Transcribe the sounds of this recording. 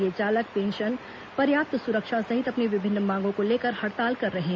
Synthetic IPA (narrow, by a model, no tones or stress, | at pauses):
et͡ʃaːlək̚pẽːnʃən | pɐɾjaːp̚t̪sʊɾəkʃasɐɦɪt̪ɐpneʋɪbʱɪnːmãːŋɡõkoleːkəɾhɐʈt̪aːlkɐɾːɐɦeɦ